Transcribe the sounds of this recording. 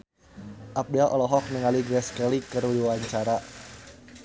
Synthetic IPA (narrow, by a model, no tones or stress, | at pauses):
ʔap̚dɛlʔɔ̰lɔɦɔk̚nəŋaliɡɾɛskɛlikərudiwaɲt͡ʃaɾa